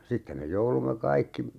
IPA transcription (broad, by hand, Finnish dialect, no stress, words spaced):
sitːem me joulumːe kɑikːi